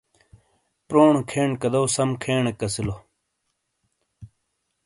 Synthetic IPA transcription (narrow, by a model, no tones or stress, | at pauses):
pɾoːɳokʰeːɳkɐd̪ɐwsɐmkʰeːɳekɐsilo